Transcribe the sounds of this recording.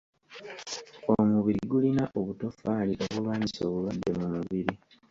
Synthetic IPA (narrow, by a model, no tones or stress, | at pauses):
omuβiɾiɡulinaʔo̞βuto̞faliʔo̞βulwaːɲiso̞ːβuβadːe̞mumuβiɾi